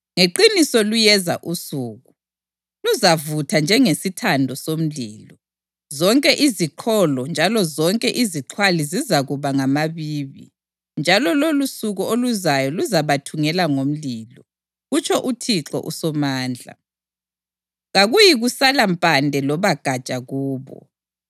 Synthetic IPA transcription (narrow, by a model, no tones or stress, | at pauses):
ŋeǃinisɔlujɛza̰ʔusuːɣu | luzavutʰand͡ʒʱɛŋesitʰandʱɔsom̩liːlɔ | zɔŋkʼɛʔiziǃʰɔlɔnd͡ʒʱalɔzɔŋkʼɛʔiziǁʰwalizizaɣuβaŋamaβiːβḭ | nd͡ʒʱalɔlolusuɣuoluzajɔluzaβatʰuŋɛlaŋom̩lilɔ | ɣut͡ʃʰʼɔʔutʰiǁɔ̰ʔusɔmaːnd͡ɮʱa̰ | ɣaɣujiɣusalampʼandʱɛlɔβaɡ̥ʱat͡ʃʼaɣuːβɔ̰